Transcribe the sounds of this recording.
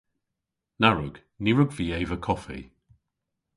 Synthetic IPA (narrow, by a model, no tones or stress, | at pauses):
naɹʊɡ̥ | niɹʊɡviːejvəkʰɔfḭ